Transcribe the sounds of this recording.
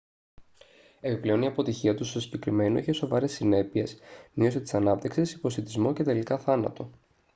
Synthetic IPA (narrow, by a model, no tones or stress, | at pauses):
e̞kplio̞niɐpo̞t̪içiɐt̪ust̪osiɟe̞kɾime̞noiçe̞so̞vɐɾesːine̞pie̞smio̞set̪i̥sɐnɐp̚t̪iksisi̥po̞sit̪izmo̞ce̞t̪e̞likɐθɐnɐ̰t̪o̞